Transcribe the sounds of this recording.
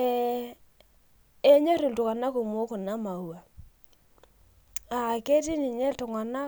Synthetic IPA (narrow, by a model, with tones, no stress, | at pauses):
ɛ˦ | e˦ɲo˦ɾi˨ltu˨ka˨na˦ku˨m˨o˦kʊ˨na˦ma˨wa˨ | a˨ke˦ti˦ni˨ɲɛ˦ltʊ˨ŋa˨na˦